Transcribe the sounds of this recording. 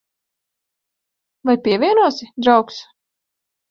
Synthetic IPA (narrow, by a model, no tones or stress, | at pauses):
vajpʲiɛvʲiɛnuɔsɪd̪ɾawks